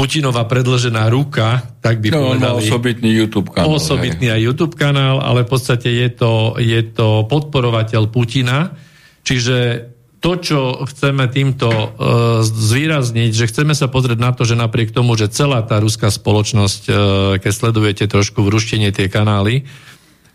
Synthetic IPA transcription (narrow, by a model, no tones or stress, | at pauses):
pucinɔʋaːpɾɛd̪l̩ʒɛnaːɾukat̪aɡ̚bipɔɛd̪alisɔbit̪nijuːt̪uːpkaɔsɔbit̪niajjuːt̪uːpkanaːla̰lɛfpɔt̪st̪acɛjɛt̪ɔjɛt̪ɔpɔt̪̚pɔɾɔʋacɛʎpucina | t͡ʃiʒɛ | t̪ɔt͡ʃɔxt͡sɛmɛt̪iːmt̪ɔ | zʋiːɾazɲiɟʒɛxt͡sɛmɛsapɔzɾiɛɟnat̪ɔʒɛnapɾɪɛkt̪ɔmuʒɛt͡sɛlaːt̪aːɾuskaspɔlɔt͡ʃnɔsckɛcslɛd̪ujɛcɛt̪ɾɔʃkuʋɾuʃcɛɲɪɛt̪ɪɛkanaːli